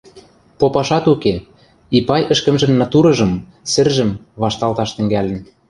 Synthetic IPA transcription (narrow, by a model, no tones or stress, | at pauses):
popɑʃɑt̪uke | ipɑjə̆ʃkə̆mʒɘ̆mnɑt̪uɾɤ̆ʒɤ̆m | sɘ̆rʒɘ̆m | βɑʃt̪ɑlt̪ɑʃt̪ɘ̆ŋɡælʲɘ̆n